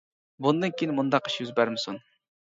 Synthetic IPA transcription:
bund̪ɨnkʲʰiinɪmund̪ɑqi̥ʃjyzbæɾmɪsun

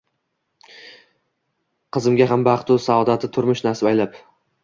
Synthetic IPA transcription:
qʰɨzɪmɡʲaɦambaχt̪ʊsaɒd̪at̪ʰɪt̪ʰʊɾmʊʃnaɾsɪajlap

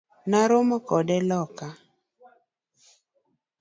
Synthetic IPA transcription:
naɾomɔkɔdɛlɔka

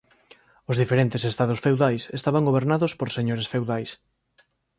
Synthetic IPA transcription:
ʊzðifeɾent̪ɪsest̪aðʊsfewðajsest̪aβaŋɡoβ̞eɾnaðʊspoɾseɲoɾesfewðajs

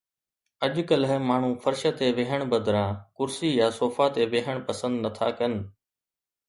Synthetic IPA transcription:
əʄkəlɦɪmaːɳ̤ũːfʰɐɾʃət̪eʋeɦəɽ̃bɐd̪ʱɾãːkʊɾsiːjaːsoːfat̪eʋeɦəɽ̃pɐsə̃nd̪nɐt̪ʰaːkɐnɪ̆

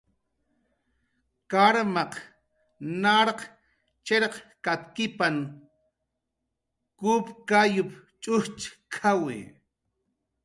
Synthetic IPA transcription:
kaɾmɑq | naɾq | t͡ʃeɾqkat̪kɪpan | kupkajʊpt͡ʃʼʊht͡ʃkʰawɪ̰

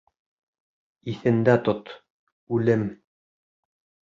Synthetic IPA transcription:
iθɘ̆nd̪æt̪ot̪ | ʉlɘm

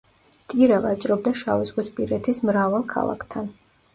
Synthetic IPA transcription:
t̪ʼiɾavat͡ʃʼɾɔb̚d̪aʃavizʁwispʼiɾɛt̪ʰismɾavalˠkʰa̰lˠa̰kʰt̪ʰan

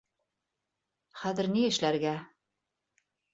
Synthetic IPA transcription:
χæðɘ̆ɾniɘ̆ʃlæɾɡæ

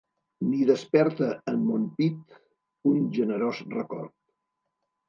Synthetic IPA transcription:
niðəspɛɾt̪əːmmompit̪ | unʒənəɾozrəkɔ̰rt̪

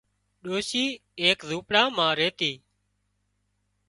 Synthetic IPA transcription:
ɗoːʃiːeːkzũːpɽãːmãːɾeːt̪iː

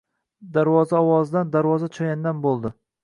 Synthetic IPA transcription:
d̪aɾvɒzaɒwɒzd̪and̪aɾvɒzat͡ʃʰɒjand̪anbolˠd̪ɪ

